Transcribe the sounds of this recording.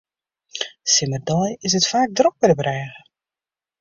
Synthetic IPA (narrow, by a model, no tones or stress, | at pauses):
sɪmərdɔjɪsətfaːk̚drɔk̚bɛnəbrɛːɣə